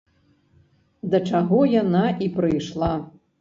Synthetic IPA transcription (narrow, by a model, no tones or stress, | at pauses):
d̪ɐt͡ʂaɣɔjanaʔipɾɨjʂlˠa